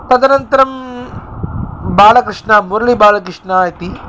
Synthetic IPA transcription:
t̪ɐd̪ɐnɐnt̪ɐɾɐm | baːlɐkɾɪʂɳɐmuɾɐlibaːlɐkɾɪʂɳaːjɐt̪i

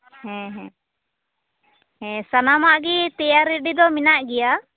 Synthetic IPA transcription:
hɛ̃ɦɛ̃ | ɦɛ̃sanamaʔɡit̪ɛjaɾiɖid̪ɔminaʔɡɛja

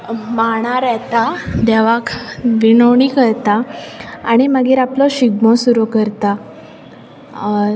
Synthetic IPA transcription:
maɽ̃aɾɛt̪ad̪aʋakʋiɳəwɳikəɾt̪aː | ɽ̃iməɡiːɾaplɔɕiɡ̚mɔsuɾokəɾt̪a

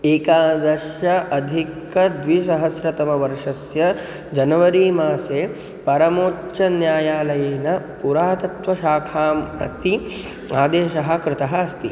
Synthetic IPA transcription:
eːkaːd̪ɐɾʃɐʔɐd̪ʱik | ɐd̪ʋisɐɦɐsɾɐt̪ɐmɐʋɐɾʂɐsjɐ | d͡ʒɐnɐʋɐɾiːmaːseː | pɐɾɐmoːt͡ʃɐnjaːjaːlɐjeːnɐpuɾaːt̪ɐt̪ʋɐʃaːkʰaːmpɾɐ̰t̪i | aːd̪eːʃɐɦɐ̆kɾɪt̪ɐɦɐɐst̪ḭ

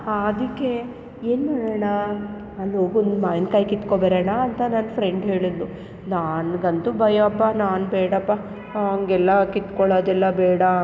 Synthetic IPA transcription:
ad̪ikːe | eːnmaːɽɐɳɐ | ɐlɦoːɡund̪maːjnkaːjkit̪kobɐːɾɐɳaːnt̪ɐnanfʰɾeɳɖɦeːɭid̪ːu | naːnɡɐnt̪ubɐjɐɐpːanaːnbɛːɽɐpːɐ | ɐŋɡɛlːɐkit̪kɔɭɐːd̪ɛlːɐbɛːɽɐ

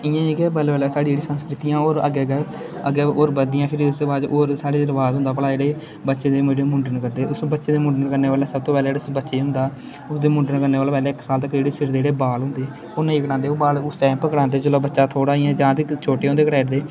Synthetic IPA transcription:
ɪjãːiːkɛːbəlʋəːlːsaːɽĩːd͡ʒeːɽiːsənskɾɪt̪ijãːoːɾə̰ɡeːɡ | əɡeːoːɾbəd̪ɪjãːpʰɪɾɪsd̪eːbaːd̪oːɾsaːɽeːɾʋaːzɦʊ̃nd̪aːpəlaːeːɽeː | bətːʃeːd̪eːməɽeːmʊɳɖənkəɾd̪eːʊsbətːʃeːd̪eːmʊɳɖənkəɾneːʋaːleːsəb̚t̪oːpɛːleːɽeʊsbətːʃeːɦʊ̃nd̪aː | ʊsd̪eːmʊ̃ɳɖənkəɾneːʋaːlaːpɛːleːɪksaːlt̪əkːd͡ʒeːɽeːsɪɾd̪eːɽeːbaːlɦʊ̃nd̪eː | oːnĩːkəɽãːnd̪eːoːbaːlʊsʈɛ̃ːmpkəɽãːnd̪eːd͡ʒəlaːbətːʃaːt̪ʰoːɽaːiːãːd͡ʒãːt̪et͡ʃʰoːʈeːɦʊnd̪eːkəɽaːɪʈd̪eː

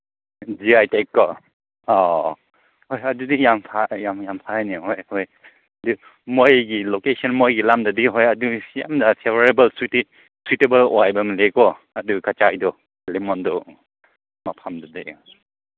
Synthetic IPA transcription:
d͡ʒiajtekːɔ | ɔ | hɔjadudijampʰajamjampʰaniɦɔjhɔj | adu | mojɡilokesɔnmojɡilamdadiɦɔjaduja̰mdapʰevaɾebɐlst | switebɐlɔajbɐmlekɔ | adukʰat͡ʃajdɔ | limɔndɔ | mapʰamdadi

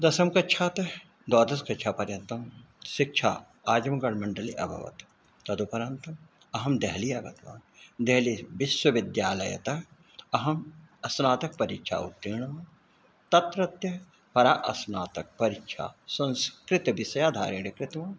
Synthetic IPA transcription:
d̪ɐsɐmkɐtːt͡ʃʰaːt̪ɐ | d̪oːd̪ɐskɐt͡ʃʰaːpɐɾjɐnt̪ɐm | ʃɪkʃʰa̰ː | aːd͡ʒɐmɐɡɐɽmɐɳɖɐliʔɐbʱɐ̰ʋɐ̰t̪ | t̪ɐd̪upɐɾant̪ɐm | ɐɦɐmd̪ɐɦliɐɡɐt̪ʋa̰ːnd̪ɛɦliʋɪswɐʋɪd̪jaːlɐjɐ̰t̪ɐ | ɐɦɐm | ɐsnaːt̪ɐk̚pɐɾikʃʰa̰ːṵt̪ːiːɳ̃ɐʋaːn | t̪ɐt̪ɾɐt̪jɐ | pʰɐɾaːʔɐsnaːt̪ɐk̚pɐɾikʃʰa̰ːsɐ̃nskɾɪt̪ʋɪsɐjaːd̪ʱa̰ːɾiɽikɾɪt̪maː

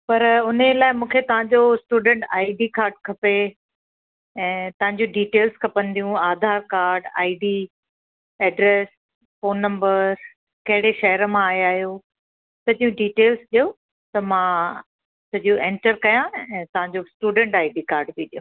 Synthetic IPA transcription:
pɐɾʊnelaːɪmũːkʰet̪ɐʋ̤ãɲd͡ʑosʈuːɖẽɳʈaːɪɖikaːɾɖkʰɐpe | ɛ̃ːt̪ɐʋãɲd͡ʑũɖiːʈeːlzkʰɐpɐ̃nd̪ijũaːd̪ʱaːɾkaːɾɖa̰ːiɖiː | ɛɖɾeːs | foːnːɐ̃mbəz | kɐɦɪɽeʃɐɦəɾəmãaːjaːɦjo | t̪ɐd͡ʑijũɖiːʈeːlzɗijo | t̪ɐmã | sɐʄoɛ̃ɳʈəɾkɐjãɛ̃ːt̪ɐʋ̤ãɲd͡ʑosʈuːɖə̃ɳʈaːiɖikaːɾɖbiɗijo

